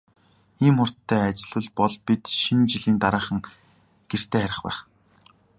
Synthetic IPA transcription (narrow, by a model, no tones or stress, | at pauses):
iːmχʊr̥tt̪ʰːæːat͡ɕɪ̆ɮʊ̆ɮpɔɮpit̪ʃint͡ɕiɮiːnt̪aɾaːχə̆ŋ | ɡ̥er̥t̪ʰeːχæɾʲɪ̆χpæ̰ːχ